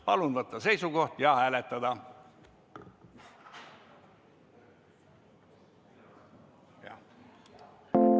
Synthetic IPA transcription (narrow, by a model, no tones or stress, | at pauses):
pɑlund̪ʋɑt̪ːɑseisuɡoht̪jɑːæːlet̪ːɑd̪ɑ | jɑ̰